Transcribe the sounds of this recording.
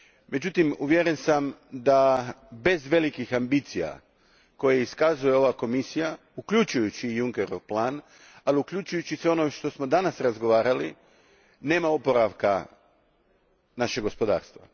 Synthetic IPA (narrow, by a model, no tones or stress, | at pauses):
me̞d͡ʑut̪imuʋjeɾe̞nsamd̪abe̞zʋe̞likixambit̪sija̰ | ko̞jeiskazujeo̞ʋako̞misija | ukʎut͡ʃujut͡ɕiːjuŋkeɾo̞ʋplaːn | aliukʎʲut͡ʃujut͡ɕiseo̞nomeʃt̪o̞smo̞d̪anasɾazɡo̞ʋaːɾali | ne̞ːmaopo̞ɾaʋka | naʃeɡo̞spo̞d̪a̰ːɾst̪ʋa̰